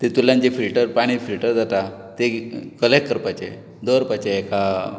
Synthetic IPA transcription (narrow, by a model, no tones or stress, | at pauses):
t̪et̪uljãnd͡ʑefilʈəɾpaɽ̃ifilʈəɾd͡zat̪at̪ekəlek̚kːəɾpat͡ɕḛ | d̪əɾpat͡ɕeːka